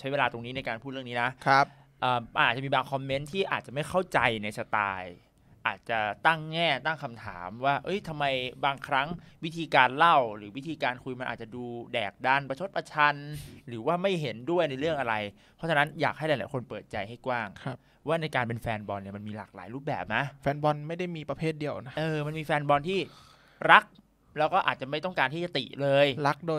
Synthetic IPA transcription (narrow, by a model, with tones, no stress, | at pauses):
t͡ɕʰa˦˥jweː˧laː˧t̪o˧ŋni˦˥na˧jkaː˧npʰuː˥˩t̪ɾɯ˥˩ə˨niː˦˥na˦˥kʰ | ʔəː˨˩ma˧˨nʔt̚t͡ɕa˨˩miː˧baː˧ŋkʰɔ˧mːe˦˥nt̪ʰiː˥˩ʔa̰ː˨˩t̪̚t͡ɕa˨˩ma˥˩jxʰa˥˩wt͡ɕa˧jna˧jsa˧t̪a̰ː˧j | ʔaː˨˩t̪̚t͡ɕa˨˩t̪a˥˩ŋːɛː˥˩t̪a˥˩ŋkʰa˧mt̪ʰa̰ː˩˦mwaː˥˩ʔɤ˦˥jt̪ʰa˧mːa˧jbaː˧ŋkʰɾa˦˥ŋwi˦˥t̪ʰiː˧kaː˧nla˥˩wɾɯː˩˦wi˦˥t̪ʰiː˧kaː˧nkʰu˧jma˧nʔaː˨˩t͡ɕa˨˩duː˧dɛː˨˩k̚da˧˩npa˧t͡ɕʰo˦˥t̪̚pʰa˧t͡ɕʰa˧nɾɯː˩˦waː˥˩ma˥˩jɦe˩˦ndu˥˩əjna˧jɾɯ˥˩əŋʔa˧ɾa˧j | pʰɔ˦˥t͡ɕʰa˧na˦˥njaː˨˩k̚a˥˩jla˨˦la̰ː˨˦jkʰo˧npɤː˨˩t̪̚t͡ɕa˧jɦa˥˩jkwaː˥˩ŋkʰ | waː˥˩na˧jkaː˧npe˧nfɛː˧nbɔː˧nːi˨˩ma˧nmiː˧la̰ː˨˩k̚la̰ː˨˩˦jɾuː˥˩p̚bɛ̰ː˨˩p̚na˦˥ʔfɛː˧nbɔ˧nma˥˩jda˥˩jmiː˧pɾa˧pʰeː˥˩t̪̚di˧əwʔna˦˥ʔɤː˧ma˧nmiː˧fɛː˧nbɔː˧nt̪ʰiː˥˩ | ɾa˦˥k̚ | lɛː˦˥wkɔː˥˩ʔa̰ː˨˩t̪̚t͡ɕa˨˩ma˥˩jt̪ɔ˥˩ŋkaː˧nt̪ʰiː˥˩t͡ɕa˨˩t̪ḭ˨˩lɤː˧jla˦˥k̚doː˧